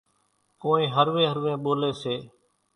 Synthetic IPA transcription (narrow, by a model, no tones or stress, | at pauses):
koːĩːɦəɾʋẽːɦəɾʋẽːɓoːleːseː